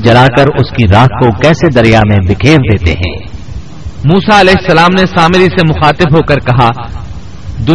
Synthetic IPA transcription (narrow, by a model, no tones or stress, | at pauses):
d͡ʒɐlaːkɐɾʊskiɾaːɦkokɛːsed̪ɐɾijamẽbɪkʰeːɾd̪eːt̪ḛɦɛ̰̃ː | muːsaɐlɛːɦɪsːɐlaːmnesaːmɪɾisemʊxaːt̪ɪbɦoːkɐɾkɐɦa | d̪ʊ